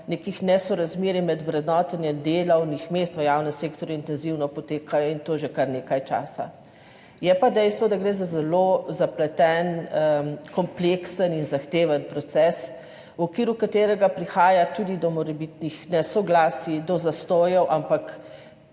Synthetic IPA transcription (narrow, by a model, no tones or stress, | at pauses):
nekixnɛsɔɾazmeːɾimɛd̪wɾɛd̪nɔːt̪ɛnjɛd̪eːlɐwnixmest̪ʋəjaːwnɛmseːkt̪ɔɾjuint̪ɛnziwnɔpɔt̪eːkʰajɔint̪oːʒekaɾneːkajt͡ʃa̰ːsa̰ | jɛpad̪ɛjst̪ʋɔd̪aɡɾeːzazɛlozaplɛt̪ɛn | kɔmpleksəninzaxt̪eːʋənpɾɔt̪sɛs | wɔkʋiːɾukat̪eːɾɛɡapɾixaːjat̪ud̪id̪ɔmɔɾɛbit̪nixnɛsɔɡlaːsid̪ɔzast̪oːjɛwʔampak